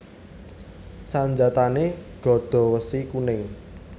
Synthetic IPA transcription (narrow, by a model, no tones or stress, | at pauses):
saɲd͡ʒat̪aneɡ̥ɔ̤ɖ̪̥ɔ̤wəsikunɪŋ